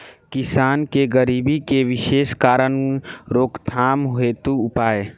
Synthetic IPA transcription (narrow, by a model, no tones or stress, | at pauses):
kɪsaːnkeɡəɾiːbikeʋɪʃeːskaːɾənɾoːkt̪ʰaːmɦoet̪uʊpaːe